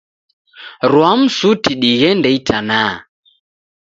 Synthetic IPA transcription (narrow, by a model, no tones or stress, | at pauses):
ɾwam̩sutiɗiɣɛndɛitʰana